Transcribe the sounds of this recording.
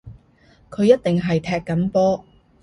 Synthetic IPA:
kʰɵ˨˧ɥjɐ˥t̚t̪ɪ˨ŋɦɐ˨jt̪ʰɛː˧kːɐ˨˥mpɔː˥

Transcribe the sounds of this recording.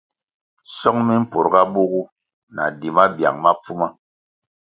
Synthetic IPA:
sɔ˦ŋmi˦m̩˦po˨ɾɡa˦ɓo˦ɣu˦ | na̰˨di˨ma˦bja̰˨ŋma˦p͡fu˦ma˦

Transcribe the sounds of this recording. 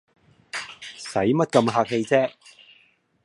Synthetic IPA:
sɐ˨˥jmɐ˥t̚kɐ˧mɦaː˧k̚he˧jt͡sɛː˥k̚

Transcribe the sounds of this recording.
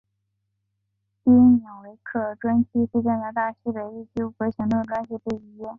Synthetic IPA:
pi˥njɑ˨˩ŋwe˧˥ɪkʰɤ˥˩ʈ͡ʂwa˥nɕʰi˥ʂ̩˥˧ʈ͡ʂa˥˩na˧˥t̪a˥˩ɕi˥pe˧˥ɪi˥˩t͡ɕjo˥ʊ˧xɤ˧˥ɕi˧˥ŋt̪u˥˧˩ʈ͡ʂwa˥nɕi˥pe˥˩ɪi˥jɛ˥˩n

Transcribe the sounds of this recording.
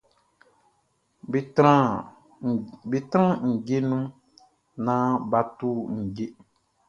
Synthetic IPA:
ɾã˦˨ | bi˨tɾã˦ŋ̩˨ɟe˦nũ˦ | nã˦ba˨tu˦ŋ̩˨ɟe˦

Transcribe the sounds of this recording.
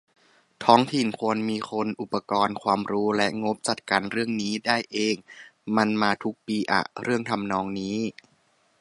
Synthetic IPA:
t̪ʰɔː˦˥ŋt̪ʰi˨˩nkʰu˧ənmiː˧kʰo˧nʔu˨˩pːa˧kɔː˧nkʰwaː˧mɾuː˦˥lɛ˦˥ʔŋo˦˥p̚t͡ɕa˨˩t̪̚kaː˧nɾɯ˥˩əŋniː˦˥daː˥˩jʔeː˧ŋma˧nmaː˧t̪ʰu˦˥k̚piː˧ʔa̰˨˩ɾɯ˥˩əŋt̪ʰa˧mnɔː˧˥ŋniː˦˥

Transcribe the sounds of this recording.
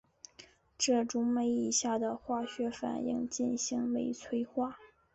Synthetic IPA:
ʈ͡ʂɤ˥˩ʈ͡ʂʊ˧˥ŋme˥˧ɪi˥˧˩ɕja˥˩d̪ə˩xwa˥˩ɕɥɛ˧˥fa̰˨˩nḭ˥˧ŋt͡ɕi˥˩nɕi˧˥ŋme˧˥˩ɪt͡sʰwe˥ɪxwa˥˩

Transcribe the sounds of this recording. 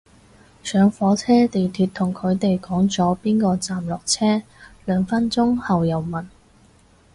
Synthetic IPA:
sœː˨˧ŋfɔː˨˥t͡sʰɛː˥t̪e˨jt̪ʰyː˧t̚t̪ʰʊ˨˩ŋkʰɵ˨˧ɥt̪e˨jkɔː˨˥ŋt͡sɔː˨˥piː˥nkɔː˧t͡saː˨mlɔː˨˩k̚t͡sʰɛː˥lœː˨˥ŋfɐ˥nt͡sʊ˥ŋhɐ˨wjɐ˨wmɐ˨˩n

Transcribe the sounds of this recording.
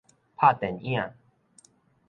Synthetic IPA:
pʰa˥˨t̪ɛ˨njã˥˨

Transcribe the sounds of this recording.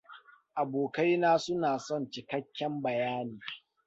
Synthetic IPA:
ʔa˨boː˨ka˦jnaː˦sʊ˦naː˨sɔ˦˨nt͡ʃɪ˨kɐ˦kʲːɛ˦mbɐ˨jaː˦niː˨

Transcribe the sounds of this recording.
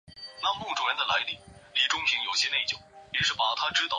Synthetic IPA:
na˥ŋpu˥˩ŋʈ͡ʂʊ˨˩jɛ˥nd̪ə˨la̰˧˥ɪli˥˩li˨˥˩ʈ͡ʂʊ˥ŋɕʰi˧˥ŋjo˨˩ʊɕjɛ˥ne˥˩ɪt͡ɕjo˨˩ʊi˧˥ʂɻ̩˥˩pa˨˩t̪ʰa˥ʈ͡ʂɻ̩˥t̪

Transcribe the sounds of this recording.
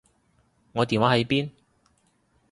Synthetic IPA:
ŋɔː˨˧t̪iː˨˩nwaː˧˥ɦɐ˨˧˥jpiː˥n

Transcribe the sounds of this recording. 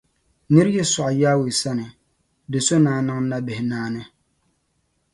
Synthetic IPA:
nɨ˦ɾjɛ˦sɔ˨ʔa˨jaː˦we˨sa˦nɪ˨ | dɪ˨so˦naː˨˦˨na˦ŋ˦na˦bɪ˨hɪ˨naː˦nɪ˦

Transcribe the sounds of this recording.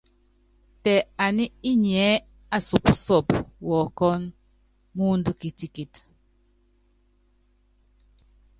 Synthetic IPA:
tɛ˨a˨ni˦i˦ɲɛ˨˦ | a˨su˨psɔ˦˨pwɔ˨kɔ˦n | mu˦ndu˦ki˨ti˨ki˨t

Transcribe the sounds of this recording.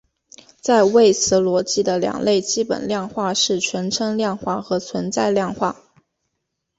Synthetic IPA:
t͡sa˥˧ɪwe˥˩ɪt͡sʰɹ̩˧˥lwɔ˧˥t͡ɕi˥˩d̪ə˨ljɑ̰˨˩ŋle˥˩ɪt͡ɕi˥pə̰˨˩nljɑ˥˧ŋxwa˥˧ʂɻ̩˥˩t͡ɕʰɥɛ˧˥nʈ͡ʂʰɤ˥ŋljɑ˥˧ŋxwa˥˩xɤ˧˥t͡sʰwə˧˥nt͡sa˥˧ɪljɑ˥˧ŋxwa˥˩

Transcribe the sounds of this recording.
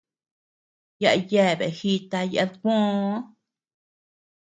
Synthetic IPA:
ja̰˧je˧˨bḛ˨xi˧t̪a˧ja̰˧ɡʷõ˦

